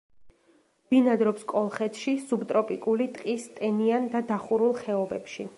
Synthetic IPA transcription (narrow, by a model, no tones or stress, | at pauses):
b̥inad̪ɾɔpskʼɔlˠχɛt̪ʰʃisubt̪ʼɾɔpʼikʼulit̪ʼqʼist̪ʼɛniand̪ad̪aχuɾulˠχɛɔbɛpʃḭ